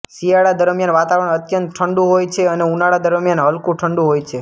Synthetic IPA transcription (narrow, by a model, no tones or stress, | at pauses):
siaɽad̪əɾəmjanʋat̪aʋəɾəɳət̪jənt̪ʈʰəɳɖũɦojt͡ʃʰeəneunaɽad̪əɾəmjanɦəlkũʈʰəɳɖũɦojt͡ʃʰe